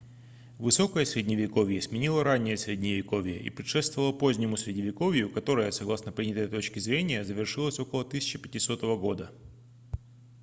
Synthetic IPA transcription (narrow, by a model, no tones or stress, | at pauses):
vɨso̞kəjəsʲɾʲɪdʲnʲɪvʲɪko̞vʲjəsmʲɪnʲilˠəɾanʲːɪjəsɾʲɪdʲnʲɪvʲɪko̞vʲjə̰ʔḭpɾʲɪt̪ʂɛst̪vəvəlˠəpo̞zʲnʲɪmʊsʲɾʲɪdʲnʲɪvʲɪko̞vʲjʊkɐt̪o̞ɾəjəsɐɡlˠasnəpɾʲinʲət̪əjt̪o̞t͡ɕkʲɪzɾʲenʲɪjəzəvʲɪrʂɨlˠəsʲo̞kəlˠət̪ɨsʲɪ̥t͡ɕɪpʲɪtʲɪso̞t̪əvəɡo̞d̪ə